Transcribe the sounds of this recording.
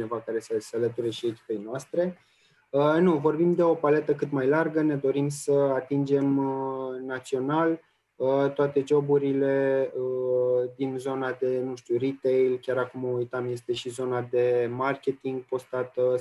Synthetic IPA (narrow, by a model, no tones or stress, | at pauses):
t͡ʃne̞vakaɾe̞sesealət̪uɾeʃiekʲi̥pe̞jnoast̪ɾe̞ | ənuvo̞rbimd̪e̞o̞pale̞t̪əkɨt̪majlarɡəne̞d̪o̞ɾimsəat̪ind͡ʒe̞m | nat̪sio̞nal | ət̪oat̪e̞d͡ʒo̞buɾile̞əd̪inzo̞nad̪e̞nuʃt̪urit̪ejlkʲaɾakumoujt̪amje̞st̪e̞ʃizo̞nad̪e̞markʲe̞t̪iŋɡ̚po̞st̪at̪ə